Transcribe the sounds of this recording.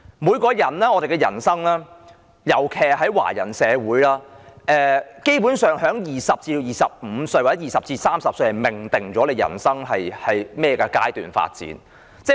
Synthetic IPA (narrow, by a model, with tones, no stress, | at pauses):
muː˨˧jkɔː˧jɐ˨˩nlɛː˥ŋɔː˧te˨jkɛ˧jɐ̰˨˩nsɐ˥ŋlaː˥ | jɐ˨˩wkʰɛː˨ɦɐ˨˥jwa̰ː˨˩jɐ˨˩nsɛː˨˧wuː˨˥jlaː˥ʔɛː˨˧ke˥jpuː˨˥nsœː˨˩ŋɦœː˨˥ŋjiː˨sɐ˨p̚t͡siː˧jiː˨˩sɐ˨p̚m̩ː˨˧˥sɵ˧ɥwaː˨˩t͡sɛ˨˥jiː˨˩sɐ˨p̚t͡siː˧saː˥msɐ˨p̚sɥhɐ˨˩jmɪ˨˩ŋt̪ɪ˨ŋt͡ʃɔː˨˥le˨˧jɐ̰˨˩nsɐ˥ŋɦɐ˨jhɐ˨jmɛː˥jɛː˨˧kaː˧kaː˥jt̪y̰ː˨˩nfa̰ː˧t̚t͡sḭː˨˥n | t͡sɛː˥